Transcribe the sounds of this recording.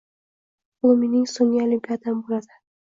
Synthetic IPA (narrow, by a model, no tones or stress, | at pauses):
ʊlˠminɪŋsoŋʲiolimpʰʲijat̪ʰambolad̪ɪ